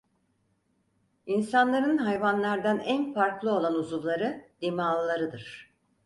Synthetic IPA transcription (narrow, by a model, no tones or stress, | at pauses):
insanlˠaɾɯnɦajvanlˠaɾd̪anænfaɾklˠɯo̞lˠanuzuvlˠaɾɯd̪̥emaːlˠɯlˠaɾɯd̪ɯɾ̥